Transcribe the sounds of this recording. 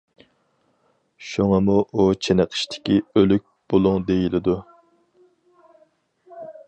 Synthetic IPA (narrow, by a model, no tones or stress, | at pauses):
ʃuŋɑmuʔut͡ʃʰenɨqʰə̥ʃt̪ʰɪ̥kʲiølyk̚ʲb̥olˠʊŋd̪ejilɪd̪u